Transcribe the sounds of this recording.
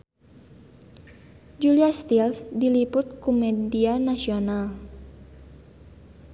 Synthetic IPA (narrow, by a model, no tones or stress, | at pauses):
d͡ʒuliast̪ilsdilipʊt̪̚kumɛdianasional